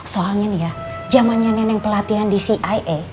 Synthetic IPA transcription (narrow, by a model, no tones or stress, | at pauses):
soalɲanija | d͡ʒamanɲananɛŋpəlat̪iɦandisiʔajʔe